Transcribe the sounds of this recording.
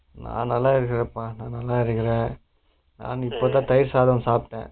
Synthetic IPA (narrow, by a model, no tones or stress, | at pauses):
nã̰ːnɐlːãːɪɾɯkːɪɾɐpːãnãːnɐlːãːɪɾɯkːɪɾẽː | na̰ːnɪpːoːt̪̬ãːt̪ɐjɪɾsaːðɐmsaːp̚ʈːḛ̃ː